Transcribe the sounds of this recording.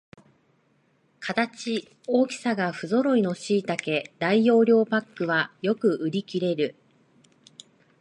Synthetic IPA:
kʰat̪at͡ɕi | o̞ːkʲi̥saɡaɸɯ̟zo̞ɾo̞ino̞ɕiːt̪ake̞d̪aijo̞ːɾʲo̞ːpakːɯ̟βajo̞kɯ̟ʔɯ̟ɾʲikʲiɾe̞ɾɯ̟

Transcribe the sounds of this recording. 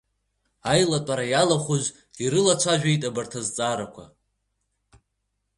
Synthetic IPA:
ajlatʷʼaɾajalaχʷuz | iɾɨlat͡ʃʷʰaʒᶣʷejtʼabartʰazt͡sʼaɾakʷʰa̰

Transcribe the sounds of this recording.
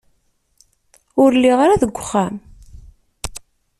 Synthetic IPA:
ʊɾlːiʁaɾaðəɡʷːəχːæm

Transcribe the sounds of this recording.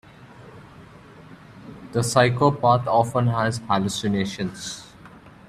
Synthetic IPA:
d̪̥əsaɪkoːpaːt̪ʰɔːfə̃nɦæzhælusɪneːʃə̃ns

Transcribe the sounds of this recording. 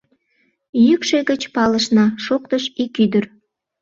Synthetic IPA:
jykʃeɣət͡ɕpɑləʃnɑʃok̚t̪əʃikyd̪ər

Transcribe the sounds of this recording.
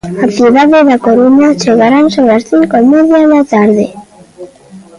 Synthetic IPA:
at̪iðaðeðakoɾumat͡ʃeɣaɾansowɾast̪iŋkomeðjaðat̪aɾðe

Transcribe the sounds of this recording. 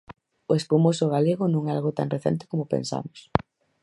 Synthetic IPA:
ʊespumosʊɣaleɣʊnũŋɛalɣot̪a̰ŋreθɛ̰nt̪ɪ̥komopḛnsa̰mʊs

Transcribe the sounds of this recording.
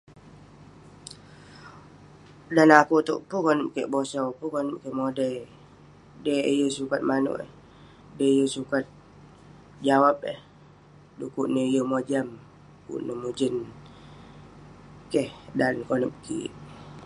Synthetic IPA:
danakut̪uʔpukɔnəp̚keʔbosɔpukɔnəp̚keʔmodəj | dejəsukat̪̚manṵʔə̰h | dəjəsukat̪̚ | d͡ʒawap̚ə̰h | dukuʔnəijəmod͡ʒam | kṵʔnəmud͡ʒən | kɛhdankonəp̚kḭʔ

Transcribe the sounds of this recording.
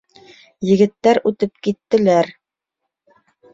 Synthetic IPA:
jɘ̆ɣɘ̆t̪ːæɾʉt̪ɘp̚kit̪ːɘ̆læɾ

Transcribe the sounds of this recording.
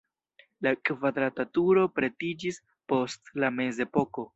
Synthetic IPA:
lakvad̪ɾatatuɾo̞pɾe̞tid͡ʒis | po̞stlame̞ze̞po̞ko̞

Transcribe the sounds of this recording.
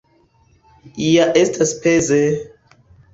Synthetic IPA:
iaʔestʰaspʰeze

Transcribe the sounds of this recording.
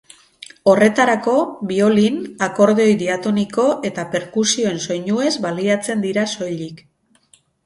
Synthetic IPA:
o̞re̞t̪aɾako̞βio̞linako̞ɾð̞eo̞jd̪iat̪o̞niko̞ʔe̞t̪ape̞ɾkusio̞e̞nso̞jɲue̞zβaliat͡se̞nd̪iɾaso̞jʎik

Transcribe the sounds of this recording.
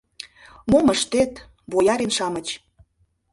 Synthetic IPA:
moməʃt̪et̪ | βojɑɾenʃɑmət͡ɕ

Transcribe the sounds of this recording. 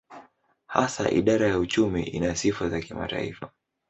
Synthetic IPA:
hasa̰ʔḭɗaɾajaut͡ʃumḭʔinasifazakima̰ta̰ifa

